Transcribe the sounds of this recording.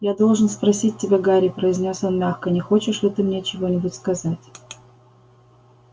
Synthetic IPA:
jad̪o̞lˠʐɨnspɾɐsʲit̚ʲtʲɪbʲeɡaɾʲɪpɾəɪzʲnʲo̞sonmʲaxkənʲɪxo̞t͡ɕɪʂlʲɛt̪ɨmnʲet͡ɕɪvo̞nʲɪbʊtʲskɐzatʲ

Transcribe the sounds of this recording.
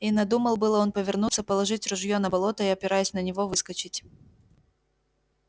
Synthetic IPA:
inɐd̪uməlˠbɨlˠəo̞npəvʲɪrnut̪sːəpəlˠɐʐɨtʲrʊʐjonɐbɐlˠo̞t̪əiɐpʲɪɾajʊsʲnənʲɪvo̞vɨskət͡ɕɪtʲ

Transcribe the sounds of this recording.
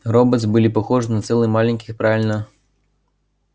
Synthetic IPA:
rɔbɐt̪zʲbɨlʲipɐxɔʐɨnɐt̪sɛlˠɨjmalʲɛnʲkʲi̥xpɾavʲilʲnɐ

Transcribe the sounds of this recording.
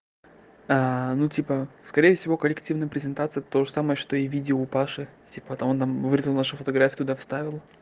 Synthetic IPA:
anutʲipəskɐɾʲejəfsʲɪvokəlʲɪktʲivnəjəpɾʲɪzʲɪnt̪at̪sɨjət̪t̪oʐɨsaməjəʂt̪o̞ivʲidʲɪoːpaʂɨtʲipət̪ont̪amvɨɾʲɪzʲlˠnaʂʊfət̪ɐɡɾafʲjʊt̪ʊd̪afst̪avʲɪlˠ

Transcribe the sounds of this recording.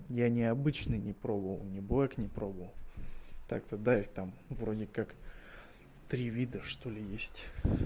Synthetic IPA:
janʲɪɐbɨt͡ɕnɨnʲɪpɾobəvə̰lˠnʲɪbɨlaknʲɪpɾo̞bəvəlˠt̪a̰kt̪əd̪ajt̪amvɾo̞dʲɪkak | t̪ɾʲivʲid̪əʂt̪o̞lʲɪjesʲtʲ

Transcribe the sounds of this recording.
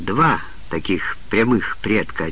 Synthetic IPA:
d̪va | t̪ɐkʲixpɾʲɐmɨxpɾʲet̪kəɐ

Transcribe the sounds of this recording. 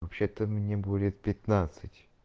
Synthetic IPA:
ɐpɕet̪əmnʲebudʲɪt̪̚pʲɪt̪nat̪sɨtʲ

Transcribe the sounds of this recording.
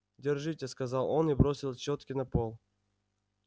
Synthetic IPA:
dʲɪrʐɨtʲeskɐzɑlˠonibɾosʲɪlˠt͡ɕot̪kʲɪnɐpolˠ

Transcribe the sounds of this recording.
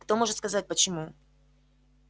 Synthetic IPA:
kt̪o̞mo̞ʐɨt̪skɐzat̚ʲpət͡ɕɪmu

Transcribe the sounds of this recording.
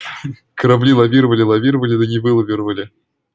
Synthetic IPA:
kəɾɐblʲilˠɐvʲiɾəvəlʲɪlˠɐvʲiɾəvəlʲɪd̪ənʲɪvɨlˠɐvʲɪɾəvəlʲɪ

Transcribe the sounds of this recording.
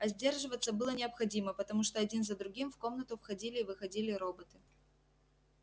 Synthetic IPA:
ɐzʲdʲe̞rʐɨvət̪sːəbɨlˠənʲɪɐpxɐdʲiməpət̪ɐmuʂt̪oɐdʲinzəd̪ɾʊɡʲimfko̞mnət̪ʊfxɐdʲilʲɪːvɨxɐdʲilʲɪɾo̞bət̪ɨ

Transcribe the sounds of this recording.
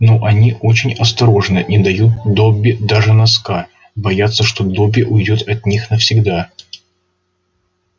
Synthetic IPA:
noʔɐnʲiʔo̞t͡ɕɪnʲɐst̪ɐɾo̞ʐnəʔid̪ɐjut̪̚d̪obʲːɪd̪aʐɨnɐska | bɐjat̪sːəʂt̪o̞d̪obʲɪʔʊjdʲo̞t̪ɐt̪ʲnʲixnəfsʲɪɡd̪a

